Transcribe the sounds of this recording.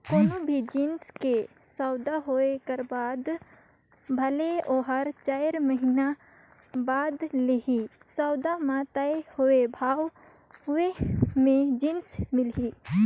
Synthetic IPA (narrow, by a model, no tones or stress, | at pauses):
koːnobʱid͡ʒinske | sɔʊd̪aɦoekəɾbaːd̪ | bʱəleoːɦəɾt͡ʃaɪɾməɦina | baːd̪leɦi | sɔʊd̪amãt̪aehoebʱaːw | ɦʊemẽd͡ʒinsmɪlɦi